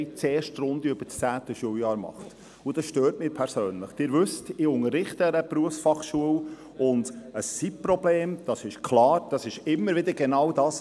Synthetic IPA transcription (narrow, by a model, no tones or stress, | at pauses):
ɪt͡seːɾʃtrʊndiøb̥ət͡st͡sæːt̪əʃuəwjɑːɾmɑ̰χt | ud̥ɑsʃtøːɾtmɪːɾpʰɛɾsøːnləχd̥ɪːɾʋʏstɪʊŋərɪχtəɾəpɾuəfsfɑχʃuəw | ʊndəsːipprɔbleːmd̥ɑsɪʃkʰlɑːɾd̥ɑsɪʃɪmːəɾʋɪd̪əɾɡenɑwdɑːs